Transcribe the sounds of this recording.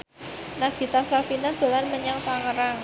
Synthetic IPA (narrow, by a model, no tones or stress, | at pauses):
naɡ̥i̤t̪asɾafinad̪̥o̤lanməɲaŋt̪aŋəɾaŋ